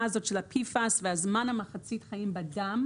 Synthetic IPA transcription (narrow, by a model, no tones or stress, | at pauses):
aazotʃɛlapʰifasvɛazmanhamaχat͡sitχajimbadam